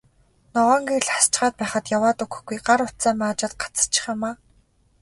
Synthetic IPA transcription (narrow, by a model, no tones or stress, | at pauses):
nɔʁɔːŋɡeɮχast͡ɕχaːt̪̚pæːχə̆t̪jawaːt̪ɵkɵ̥̆xɡ̥ujɢaɾʊt̪t͡saːmaːt͡ɕăt̪̚ɢḁt͡sə̥̆t͡ɕʰɪ̥̆χamaː